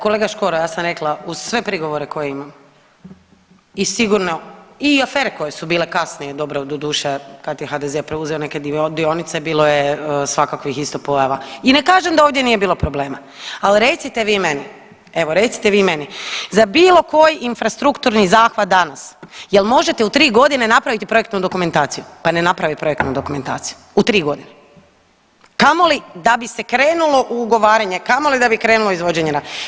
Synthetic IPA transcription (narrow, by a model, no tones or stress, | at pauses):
kole̞ːɡaʃko̞ɾojaːsamɾe̞klauz̥sʋe̞pɾiɡo̞ʋo̞ɾe̞ko̞jeimam | isiɡuɾnoiafeːɾeko̞je̞subiːlekasnije̞d̪o̞bɾood̪od̪uːʃekat̪jexad̪ezepɾeuzeone̞ked̪d̪io̞nit̪sebiːlˠo̞jesʋakakoixist̪opo̞jaʋaine̞kaːʒemd̪aoʋvd̪je̞nije̞biːlˠo̞pɾoble̞ːma | alɾe̞t̪sit̪eʋiːme̞ni | e̞ʋo̞ɾe̞t̪si̥t̪eʋiːmenizabiːlˠo̞ko̞jinfɾast̪ɾukt̪uɾnizaːxʋad̪d̪anasjelˠmo̞ʒe̞t̪eut̪ɾiːɡo̞d̪ine̞napɾaʋit̪ipɾo̞je̞k̚t̪nud̪o̞kume̞nt̪aːt̪sijupane̞napɾaʋipɾo̞jekt̪nud̪o̞kume̞nt̪a̰ːt̪si̥ju̥ | ut̪ɾiːɡo̞d̪ine | kamo̞lid̪abisekɾeːnulo̞ʔuːɡo̞ʋaːɾeɲe̞kamolid̪abikɾe̞ːnuloizʋo̞d͡ʑeɲeɾad̪